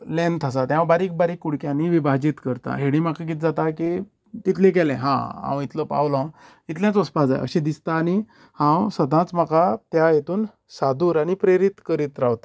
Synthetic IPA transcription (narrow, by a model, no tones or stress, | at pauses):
lɛ̃nt̪ʰas̬at̪jãbaɾiːk̚baɾiːkːuɽkjãniʋibʱad͡ʑit̪kəɾt̪a̰ɦeɽ̃ĩmakak̬it̪̚d͡zat̪aki | t̪it̪lẽk̬ɛlẽɦã̰ɦã̰wit̪ʰləpa̰wlã | it̪ljãt͡səspad͡za̰j̰ə̰ɕẽd̪ist̪aːni | hãwsəd̪ʱãt͡smakat̪jajet̪uːn | sad̪uːɾaɽ̃ipɾeɾit̪kəɾit̪ɾaʋt̪a